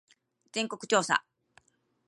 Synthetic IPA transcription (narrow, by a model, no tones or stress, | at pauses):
d͡zẽ̞ŋko̞kɯ̟̥t͡ɕo̞ːsa̰